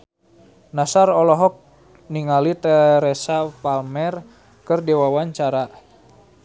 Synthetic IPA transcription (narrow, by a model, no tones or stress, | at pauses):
nasarɔlɔɦɔk̚ | niŋalit̪ɛɾɛsapalmɛr | kərdɛwawaɲt͡ʃaɾa